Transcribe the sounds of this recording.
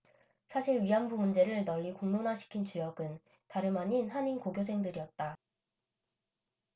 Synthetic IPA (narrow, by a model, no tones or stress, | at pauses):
sʰaɕʰiɾɥiɦambumund͡ʑe̞ɾɯɭnʌʎːikoŋnonaɕʰi̥kʰint͡ɕujʌɡɯn | taɾɯmaɲinhaɲinkoɡjos̬ʰe̞ŋdɯɾiʌt̚t͈a